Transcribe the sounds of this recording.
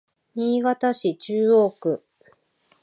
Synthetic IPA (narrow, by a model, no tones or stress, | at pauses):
ɲ̟iːɡat̪aɕit͡ɕɨːo̞ːkɯ̟